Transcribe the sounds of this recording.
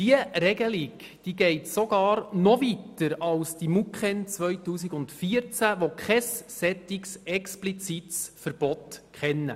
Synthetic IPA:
d̥iəɾɛɡəlik | d̥iːɡɛɪtsɔɡ̥ɑːɾnɔvitəɾɑlsd̥imukχɛnt͡sʋœjtuːsiɡʊntfiːəɾt͡sæʋokχɛsːɛt̪iksɛksplit͡sitsfəɾb̥ɔtkχɛnːə̰

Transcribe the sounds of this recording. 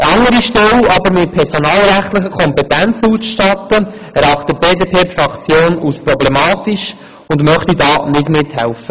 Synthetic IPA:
ɑŋːəɾiʃtɛlɑbəɾmɪt̚pʰɛɾsonɑːlɾæχtlɪχəkʰɔmpɛtænt͡susʃtɑt̪ːə | æɾɑχtəb̥eːdeːpʰeːtfɾɑkt͡sjoːnusprɔblɛmɑːtiʃ | ʊndmœχtidɑːnɪdmɪthɛlfə

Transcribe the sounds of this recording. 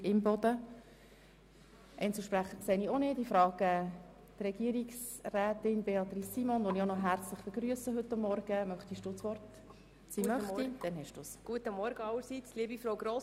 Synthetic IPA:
ɪmbɔd̪ə | ʔɛ̰ɪnt͡səʃpræχəɾkseːnionɪdifɾɑːɡ̥ə | d̥rɛɡ̥iəɾiksræːtɪnbeɑt̪risːiːmɔnʋonionɔɦæɾt͡slɪχb̥ɪɡɾyəsəɦɵtːɑmːɔɾɡ̥əmœχtiʃd̥ʊːsʋɔrt | siːmœχid̥ɛnɦɛʃd̥ṵːsɡ̥uətəmɔɾɡəɑləɾsit͡sliəbifɾowɡɾo

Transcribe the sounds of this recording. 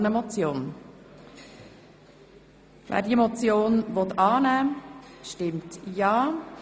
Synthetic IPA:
nəmɔt͡sjoːn | væ̰ːdiɛmɔt͡sjoːnvɔt̪ɑːnæːʃtɪmtjɑː

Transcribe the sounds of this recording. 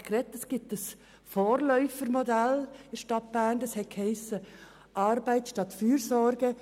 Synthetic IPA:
krɛtɛsɡ̥ɪp̚təs | foːɾlœʏfəɾmɔdælɪʃtɑt̚b̥æːndɛshɛt̚kʰhɛɪsə | ʔɑːɾbaɪtʃtɑtfyːɾsɔɾɡə

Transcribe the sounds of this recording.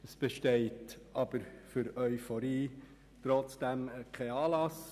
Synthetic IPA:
əsb̥ɛʃteɪtɑb̥əɾfʏɾœʏfɔɾiː | tɾɔt͡sd̥æmkʰɛɪɑːlɑs

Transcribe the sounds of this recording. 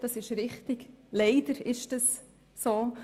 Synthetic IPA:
d̥ɑsɪʃɾɪχt̪ɪɡlɛɪd̪əɾɪʃd̥ɑs | soː

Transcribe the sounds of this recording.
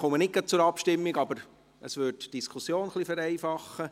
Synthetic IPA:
χomənɪk̚ɡ̥ɑt̚t͡sʊɾɑpʃtɪmːiɡɑbəɾ | əsʋʏtd̥iskʰusjoːnχlifæɾɛɪfɑχə

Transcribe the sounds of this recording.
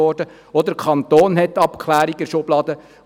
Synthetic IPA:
ɔːrdə | ɔd̪əkʰɑnt̪oːnɦɛtːɑpkʰlæːɾiɡəʃʊblɑːd̪ə

